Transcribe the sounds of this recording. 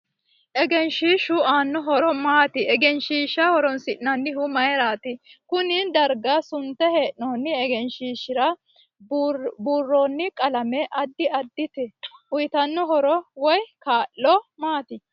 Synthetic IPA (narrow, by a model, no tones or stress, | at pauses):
ʔɛɡɛnʃiːʃʊaːnːɔɦɔɾɔmaːt̪ɪɛɡɛnʃiːʃːɐhɔɾɔnsɪʔnːɐnːɪɦʊmɐjɛɾaːt̪ɪkʊnɪd̪ɐɾɡɐsʊnt̪ːɛheːʔnoːnːɪɛɡɛnʃiːʃːɪɾɐ | buːrːoːnːɪkʼɐlɐmɛʔɐd̪ːɪɐd̪ːɪt̪ɛʔʊjt̪ɐnːɔɦɔɾɔwɔjkaːlːɔmaːt̪ɪ